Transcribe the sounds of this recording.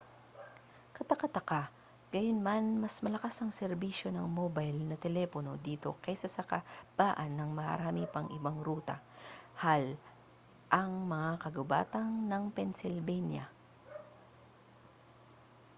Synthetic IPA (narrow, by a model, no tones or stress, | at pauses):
kɐt̪ɐkɐt̪ɐka | ɡ̥ɐjonmanmɐsmɐlɐkasɐŋsɛɾbiːʃo̞nɐŋmobajlnɐt̪ɛlɛpono̞d̪iːt̪o̞̰kɐjsɐsɐkab̥aːʔɐnːɐŋmɐhɐ̰ɾaːmipɐŋʔɪbaŋɾuːt̪ɐ̰hal | ʔɐŋmɐŋakɐɡʊba̰ːt̪ɐŋnɐŋpɛnsɪlbɛnjɐ̰